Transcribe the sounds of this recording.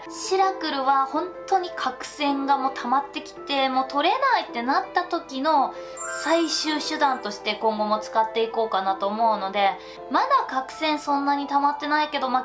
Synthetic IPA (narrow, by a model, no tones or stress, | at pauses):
ɕiɾakɯ̟ɾɯ̟βahõ̞nt̪o̞ɲ̟ikʰakɯ̟̥sẽ̞ŋɡamo̞t̪ʰamat̪ːe̞kʲi̥t̪e̞mo̞t̪o̞ɾe̞nait̪ːe̞nat̪ːat̪o̞kʲino̞ | saiɕɨːɕɨd̪ãnt̪o̞ɕi̥t̪e̞kõ̞ŋɡo̞mo̞t͡sɨ̥kat̪ːe̞iko̞ːkanat̪o̞ːmo̞ɯ̟no̞d̪e̞ | mad̪akakɯ̟̥sẽ̞ɰ̃sõ̞nːaɲ̟it̪amat̪ːe̞naike̞d̪o̞ma